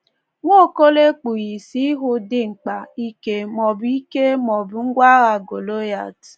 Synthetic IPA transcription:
ŋʷo˦˨ko˦le˦k͡pu˨ɣi˨si˦ɦʊ˦dɪ˦ŋ͡m̩˨k͡pa˨i˦ke˨mɔ˨bii˦ke˦mɔ˨bʊ˨ŋ̩˦ɡʷa˦ɣa˨ɡo˨lo˦ja̰˨t

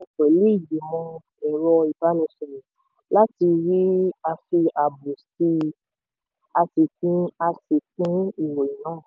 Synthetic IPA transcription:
ke˨lu˦i˦˨di˨mɔ̃˧ | ɛ˨ɾɔ˧i˨ba˨˦lɔ̃˨˧˦sɔ̃˨ɾi˨ | la˦ti˧ɾi˦a˧fi˧a˨bu˨si˧ | a˧ti˨˧kũ˦a˧si˧k̚ũ˦i˦˨wo˨ĩ˨nãː˦˨

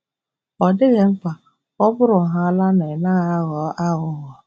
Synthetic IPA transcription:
ɔ˨dɪ˦ɣe˨ŋ͡m̩˦ka˨ | ɔ˦bʊ˦ɾʊ˨ɦa˦a˦la˦na˨e˨na˦ɣa˨a˦ɣɔː˨˦ʔa˦ɣʊ˨ɣɔ˨

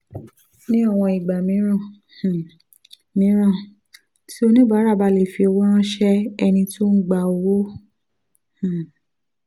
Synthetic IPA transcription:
nĩ˦ɔ˦˨w̃ɔ̃˧i˨ɡ͡ba˨mĩ˨˦ɾ̃ã˦˨ | mĩ˨˦ɾã˦˨ | ti˦o˧nĩ˦ba˨˦ɾa˦˨ba˧˨le˨fi˧ɔ˧wɔ˦ɾ̃ã˦ʃɛ˦ɛ˧nĩ˧tu˦ŋ̩˦ɡ͡ba˧˨o˧wo˦ | h̩˨

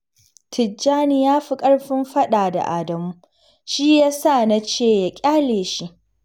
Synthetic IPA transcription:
tʰɪ˨d͡ʒːaː˦ni˦jaː˦ɸi˦kʼɐ˦ɽɸɪ˦mɸɐ˦ɗaː˨da̰˨ʔa̰ː˨dɐ˨muː˦ | ʃiː˦jaː˦sa˦˨na˦t͡ʃeː˦˨ja˨kʲʼaː˦leː˨ʃi˦ʔ

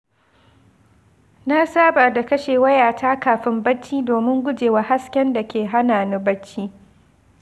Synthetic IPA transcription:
na˦saː˦baː˨da˨kɐ˦ʃeː˨wɐ˦jaː˨taː˦kaː˨ɸɪ˦mbɐ˦t͡ʃːiː˦doː˨mɪ˦ŋɡʷʊ˦d͡ʒeː˨wa˦ha˦skʲɛ˦nda˨kʲeː˨ɦa˦naː˨nɐ˦bɐ˦t͡ʃːiː˦

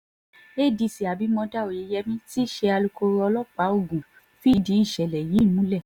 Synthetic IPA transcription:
e˦˨di˧˨si˨a˨bi˨˦mɔ̃˧da˦o˨je˨˧˦jɛ˧mĩ˦ti˦ʃe˧a˧lu˧ko˧ɾɔ˧lɔ˦k͡pa˨˦o˦˨ɡũ˨ | fi˦di˨˦i˦˨ʃɛ˨lɛ˨ji˨˦˨mũ˨˦lɛ˦˨

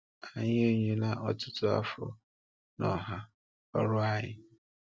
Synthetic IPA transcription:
a˨ɲɪ˦o˦ɲe˨na˦ʔɔ˦tʊ̥˦tʊ˦a̰˦fɔ̰˨ | nɔ˨ɦa˦ | ɔ˦ɾʊ˦a˦ɲɪ˨

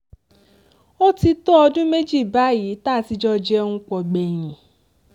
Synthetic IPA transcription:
o˦ti˧to˦ɔ˧dũ˦me˦d͡ʒi˦˨ba˨˦ji˨˦taː˦˨ti˧d͡ʒɔ˦d͡ʒɛ˦hũ˧k͡pɔ˧ɡ͡bɛ˨j̃ĩ˨

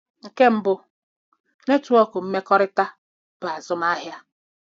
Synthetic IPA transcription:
ŋ̩˨ke˦m̩˦bʊ˦ | ne˦tu˨˦ɔ˦kʊ˨m̩˦me˦kɔ˦ɾɪ˦ta˦ | b̥ʊ˨a˨zʊ˦m˦a˦ɦja˦

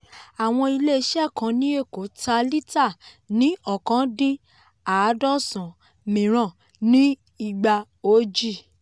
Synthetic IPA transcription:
a˨w̃ɔ̃˧i˧le˦˧ʃɛ˦˨kã˨˧˦nĩ˦e˦˨ko˨˦ta˧li˦ta˦˨ | nĩ˦ɔ˦˨kã˨˦dĩ˦ | a˨˦dɔ˦sã˨ | mĩ˨ɾ̃ã˨ | nĩ˦ | i˦˨ɡ͡ba˧ | o˦d͡ʒi˦˨

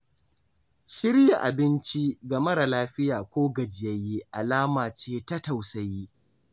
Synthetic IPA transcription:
ʃɪ˦ɾja˨ʔa˨bɪ˦nt͡ʃi˦ɡɐ˨mɐ˦ɾa˨laː˦ɸɪ˦jaː˨kʷoː˦ɡɐ˨d͡ʒɪ˨jɐ˦ji˦ʔa˨laː˦maː˨t͡ʃeː˦tɐ˦ta˨wsɐ˨ji˦ʔ

